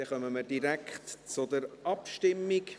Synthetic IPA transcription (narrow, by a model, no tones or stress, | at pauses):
ɛχœməməɾdiɾækχtt͡sʊdəɾɑpʃtɪmːɪk